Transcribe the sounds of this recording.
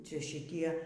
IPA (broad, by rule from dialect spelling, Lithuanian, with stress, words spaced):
ˈt͡ʃʲɛ ʃʲɪˈtʲiɛ